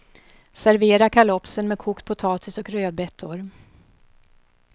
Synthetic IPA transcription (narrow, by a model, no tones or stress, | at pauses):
sæɾveːɾakʰalɔpsənmɛːd̪̚kʰuːkt̪̚pʰʊt̪ʰɑːt̪ʰɪsɔkɾøːd̪̚bɛt̪ʰːʊɾ